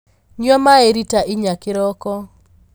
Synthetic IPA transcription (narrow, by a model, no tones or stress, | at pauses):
ɲɔmaeɾitaʔɪɲakɪɾɔkɔ